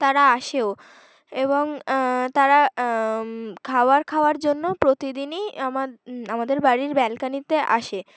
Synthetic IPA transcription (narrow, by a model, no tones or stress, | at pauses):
t̪aɾaaʃeo | eboŋt̪aɾa | kʰaoaɾkʰaoaɾd͡ʑonːopɾot̪id̪iniamaamad̪eɾbaɾiɾbɛlkanit̪eʔaʃe